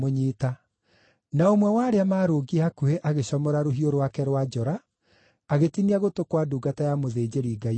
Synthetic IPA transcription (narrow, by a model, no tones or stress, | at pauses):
oɲiːta | naomwɛwaːɾeamaːɾoːɡiakueʔaɣeɕɔmɔɾaɾoɦioɾwakɛɾwad͡ʒɔɾaː | ɣetiniaɣotokwaduːɡatajamoðeːd͡ʑeɾiːɡai